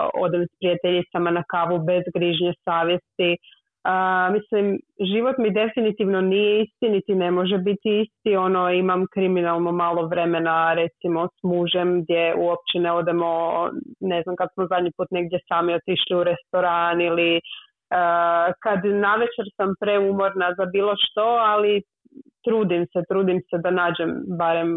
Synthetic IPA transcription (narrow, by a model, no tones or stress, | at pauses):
o̞̰d̪emspɾijat̪eʎit̪samanakaːʋube̞zɡɾiʒɲesaːʋje̞st̪i | əmislimʒiʋo̞t̪mid̪e̞finit̪iʋno̞nije̞ist̪init̪ine̞mo̞ʒebit̪iist̪io̞noimamkɾiminalˠno̞maːlˠo̞ʋɾe̞me̞naɾe̞t̪simo̞smuʒe̞mɡd̪je̞uop̚t͡ɕeneod̪emo̞neznamkad̪smozad̪ɲipuːt̪ne̞ɡ̚d̪jesaːmiot̪iʃliuɾe̞st̪o̞ɾaːnili | əkad̪naʋet͡ʃeɾsampɾeumo̞ɾnazabiːlˠo̞ʃt̪o̞ali | t̪ɾuːd̪imset̪ɾuːd̪imsed̪anaːd͡ʑe̞mbaɾem